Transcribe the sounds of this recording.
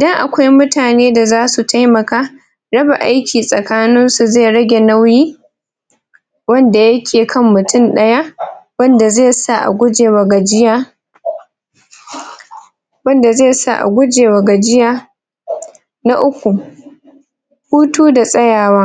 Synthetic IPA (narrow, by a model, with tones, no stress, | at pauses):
ʔɪ˨dɐ˦ŋʔa˨kʷa˦jmʊ˦taː˨neː˦da˨zaː˦su˨tʰa˦jmɐ˨kaː˦ | ɽɐ˦ba˨ʔa˦jkʲiː˨sʼɐ˨kaː˦nɪ˦nsu˨zeː˦˨ɽɐ˦ɡʲe˨na˦wjiː˦ | wɐ˦nda˨jɐ˦kʲʰeː˨kʰɐ˦mːʊ˨tʊ˦˨nɗɐ˦ja˦wɐ˦nda˨ze˦˨sa˦˨ʔa̰˨ɡʷʊ˦d͡ʒeː˨wa˨ɡa˨d͡ʒɪ˦jaː˦ | wɐ˦nda˨ze˦˨sa̰˦˨ʔa̰˨ɡʷʊ˦d͡ʒeː˨wa˨ɡa˨d͡ʒɪ˦jaː˦ | na˦ʔʊ˦kʷu˨ | huː˦tuː˦da˨sʼɐ˦jaː˨waː˦